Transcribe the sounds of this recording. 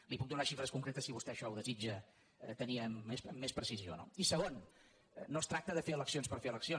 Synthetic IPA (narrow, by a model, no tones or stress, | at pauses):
lipuk̚d̪unaʃifɾəskuŋkɾet̪əsiβust̪ɛʃɔuðəzid͡ʒə | t̪əniəmesəmːespɾəsizio̰no̰isəɣon | nːost̪ɾak̚t̪əðəfeələksionspəɾfeələksio